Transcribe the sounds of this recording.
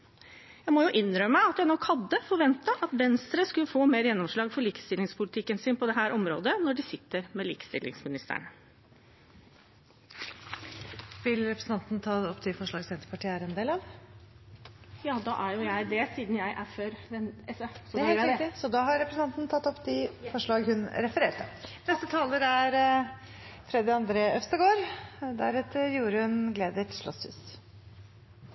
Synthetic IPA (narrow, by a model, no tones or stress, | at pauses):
jæɪmɔjʊʔɪnːɾœmmːəɑt̪jæɪnɔkːhɑd̪ːəfɔɾʋɛnt̪ɑʔɑt̪ʋɛnst̪ɾəskʉlːəfoːmeːɾjɛnːɔmʂɭɑːɡfɔɭiːkə̥st̪ɪlɪŋspʰʊlɪt̪ʰɪkːənsɪnpʰɔd̪ɛɦæːɾʔɔmɾo̰ːd̪ənɔɖɪsɪt̪ːəɾmɛlḭːkə̥st̪ɪ̰lʔɪ̰ŋsmɪnɪst̪ə̰ɳ | ʋɪlɾɛpɾəsn̩t̪ɑnt̪n̩t̪ʰɑːɔpːt̪ʰɪfɔʂɭɑːɡsɛnt̪əpʰɑʈʰiːæːɾɛnd̪eːlɑʋ | jɑːd̪ɑ̰ʔæɾjʊjæɪd̪ɛsiːd̪njæɪʔæføːɾɛnɛsɔsɔd̪ɑːɦɑɾɾɛpɾəsn̩ʰɑnt̪nt̪ʰɑt̪ːɔpːd̪ɪfɔʂɭɑːɡhʉnɾɛfəɾeːʈənɛst̪ət̪ʰɑːləɾæɾ | fɾɛd̪ɪɑnd̪ɾeːœst̪əɡoːɾd̪æ̰ɾɛt̪əɾjuːɾəhʉnɡleːd̪əʈʂɭɔ̰shʉ̰ːs